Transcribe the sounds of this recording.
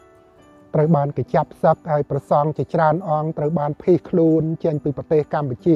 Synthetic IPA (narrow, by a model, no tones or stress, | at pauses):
t̪rəwɓaːnket͡ɕap̚ʰːsək̚haəjprɑsɑŋt͡ɕet͡ɕraənʔɑŋt̪rəwɓaːnpʰiːhkʰluənt͡ɕəɲpiːprɑt̪eːhkamput͡ɕiə